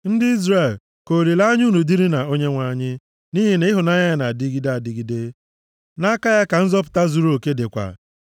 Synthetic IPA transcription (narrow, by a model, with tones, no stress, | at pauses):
n̩˦dɪ˦i˦zɾe˨l | ko˨ɾi˨la˦ɲ˦u˦nu˨di˦ɾi˦na˨o˦ɲe˦ŋʷa˨˦˨ɲɪ˦ | ni˦ɦi˨n˦ɦʊ˨na˦ɲa˦˨na˨di˦ɡi˦da˨di˨˦ɡi˨de˦ | na˦ka˦ja˦ka˨n̩˦zɔ˦p̬ʊ̥˨ta˦zu˨ɾo˨ke˦de˨kʷa̰˨